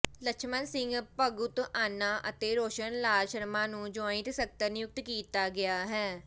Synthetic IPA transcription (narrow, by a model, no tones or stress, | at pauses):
ləkʃʰmənsɪ̃ŋɡpəɡʊt̪aːnːaːʔət̪eːɾoːʃənlaːlʃəɾmãːnũːd͡ʒoːɪ̃t̪sək̚t̪ənɪjʊk̚t̪kiːt̪aːɡɪjaːɦɛː